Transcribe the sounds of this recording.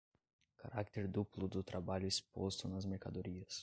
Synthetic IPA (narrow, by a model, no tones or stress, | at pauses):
xɐɾakt̪ʲɛɾʲd̪uplˠud̪ut̪ɾɐbalʲusʲpost̪ɔnɐs̬mʲɛɾʲkɐ̰d̪ɔɾʲijɐs